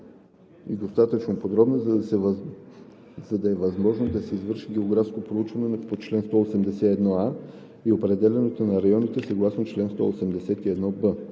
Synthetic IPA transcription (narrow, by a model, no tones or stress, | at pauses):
iɡ̪ost̪at̪ət͡ʃnopod̪ɾɔbno | zɐd̪ɐɛvɐzmɔʒnod̪ɐsɛizvɤɾʃiɡʲɛoɡɾafskopɾout͡ʃvɐnɛnpot͡ʃlɛnst̪ɔosɛmd̪ɛsɛɛd̪nɔa | iopɾɛd̪ɛlʲɛnot̪onɐɾɐjɔnit̪ɛsɐɡlˠasnot͡ʃlɛnst̪ɔ̰osɛmd̪ɛsɛt̪iɛd̪nɔbə